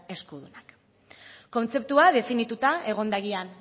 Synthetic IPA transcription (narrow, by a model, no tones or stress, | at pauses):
e̞skuðunak | ko̞nt͡se̞p̚t̪uað̞e̞finit̪ut̪ae̞ɣ̞o̞nd̪aɣian